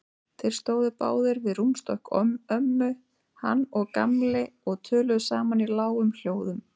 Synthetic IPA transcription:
t̪ʰɪlst̪oːwðʏpa̰ːwðɪɾvɪðrumst̪ɔhkœmœmːʏ | ha̰nːɔɣka̰mlɪɔɣt̪ʰœːlʏðʏsaːmanilaːwʏml̥joːwðʏm

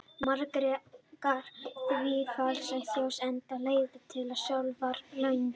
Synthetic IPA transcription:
maɾkɾɛkaɾ̥θvɪfaɾ̥sɛθjowsɛnt̪aleːjt̪ɪt̪ʰɪlasjawlvaɾlœɥn

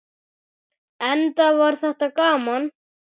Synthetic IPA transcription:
ɛnt̪avaɾ̥θɛht̪akaːman

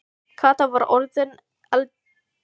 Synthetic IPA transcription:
kʰaːt̪avaɾʔɔɾðɪn | al

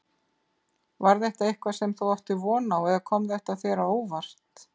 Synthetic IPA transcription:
vaɾðɛht̪aɪhkvasɛmθawawht̪ʏvɔːnawɛðakʰɔmðɛht̪aθɛːɾaoːwvar̥t̪

